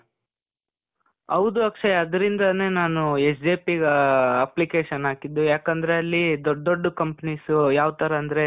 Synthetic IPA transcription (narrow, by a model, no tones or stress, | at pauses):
ɐʋd̪uɐkʂɐɐd̪ɐɾind̪ɐne̞ːnaːnuesd͡ʒeːpiɡɐplikeːʃɐnaːkid̪ːujaːkɐnd̪ɐɾe̞ɐlːid̪oːoɖːukɐmpɐnisujaːʋt̪ɐɾɐːnd̪ɐɾe̞